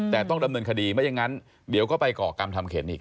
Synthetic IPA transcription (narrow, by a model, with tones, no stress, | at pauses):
t̪ɛː˨˩t̪ɔ˥˩ŋda˧mnɤː˧nkʰa˧diː˧ma˦˥ja˧ŋa˦˥n | di˩˦wkɔː˥˩pa˧jkɔː˨˩ka˧mt̪ʰa˧mkʰeː˩˦nʔiː˨˩k̚